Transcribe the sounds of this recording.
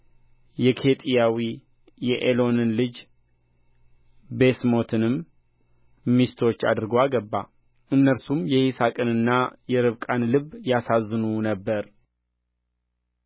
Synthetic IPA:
jɛkʰe̞t̪ʼijawi | jɛʔelo̞nɨnlɨd͡ʒ | be̞smo̞t̪ʰɨnɨm | mist̪ʰo̞t͡ʃːa̰d̪ɨɾɡoaɡəbːa̰ | ɨnːəɾsumjɛhisakʼɨnɨnːajɛɾɨβkʼanlɨβːjasazːɨnunəbːəɾ

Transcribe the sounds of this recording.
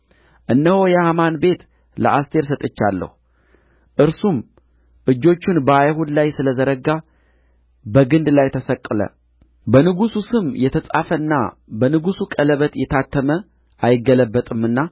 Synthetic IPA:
ʔɨnːəhojɛhamanbe̞t̪ | lə̰ʔast̪ʰe̞ɾs̬ət̪ʼɨt͡ʃːalːə̰hu | ʔɨɾsum | ʔɨd͡ʒːo̞t͡ʃːunbəajhud̪lajsɨləzəɾəɡa | bəɡɨnd̪lajt̪ʰəsəkʼːɨlə̰ | bənɨɡususɨmjɛt̪ʰəsʼafəɨnːa̰bənɨɡusukʼələβət̪jɛt̪ʰat̪ʰːəmə | ʔajɪɡːələbːət̪ʼɨmɨnːa

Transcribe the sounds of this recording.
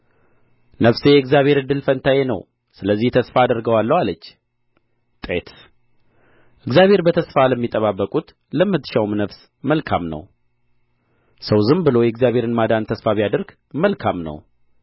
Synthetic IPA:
nəfsejɛɨɡzjaβhe̞ɾɨd̪ːɨlfənt̪ʰajenəw | sɨləzːiht̪ʰəsfaːd̪əɾɡəwalːəwalət͡ʃː | t̪ʼet̪ | ʔɨɡzjaβʱhe̞ɾbət̪ʰəsfaləmːit̪ʼːəβabːəkʼut̪ | ləmːɨt̪ːʃawmnəfs | məlkʰa̰mnə̰w | səwzɨmbɨlo̞jɛɡzjaβhe̞ɾɨnmad̪ant̪ʰəsfaβijad̪əɾɡ̥ | məlkʰamnə̰w

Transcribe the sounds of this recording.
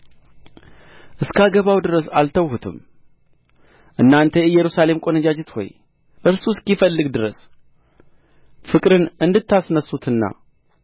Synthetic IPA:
ʔɨskaɡəβawd̪ɨɾəsalt̪ʰəwhut̪ʰɨ̰m | ʔɨnːant̪ʰəɛjːɛɾusale̞mkʼo̞nəd͡ʒad͡ʒɛt̪ho̞̰j | ʔɨɾsuskifəlːɨɡd̪ɨɾəs | fɨkʼɾɨnɨnd̪ɨt̪ʰːasnəsːut̪ʰɨnːa̰

